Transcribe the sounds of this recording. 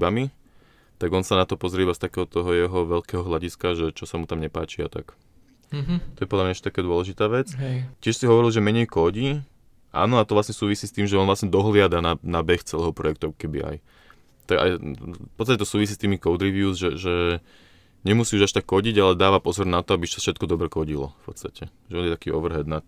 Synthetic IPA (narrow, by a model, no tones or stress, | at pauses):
bami | t̪aɡɔnsanat̪ɔpɔzɾɪɛbast̪akɛːɦɔt̪ɔɦɔjɛɦɔʋɛʎkɛːɦɔɦlaɟiskaʒɛt͡ʃɔsamut̪amɲɛpaːt͡ʃia̰t̪a̰k | t̪ɔjɛpɔd̪lamɲaɛʃt͡ʃɛt̪akaːd̪ʊɔlɛʒit̪aːʋɛt͡scɪɛʃsiɦɔʋɔɾilʒɛmɛɲɛjkɔɟiː | ʔa̰ːnɔat̪ɔʋlasɲɛsuːʋisiːst̪iːmʒɛɔnʋlasɲɛd̪ɔɦlɪad̪ananabɛxt͡sɛlɛːɦɔpɾɔjɛk̚t̪ɔkkɛbḭa̰j | t̪aɡa̰jpɔt͡sst̪acɛt̪ɔsuːʋis̬iːst̪iːmikɔʊd̪ɾiʋiuzʒɛʒɛ | ɲɛmusiːuʒaʃt̪akːɔɟiɟalɛd̪aːʋapɔzɔɾnat̪ɔabiʃsafʃɛt̪̚kɔd̪ɔbɾɛkɔɟilɔ̰fpɔt̪t͡sst̪acʰɛʒɛɔːnjɛt̪akiːɔʋr̩ɦɛd̪nat̪